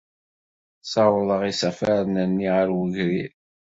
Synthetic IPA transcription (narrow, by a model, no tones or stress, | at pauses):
sɑwlˤəʁisæfæɾnənːiʁəɾwəʝɾiɾ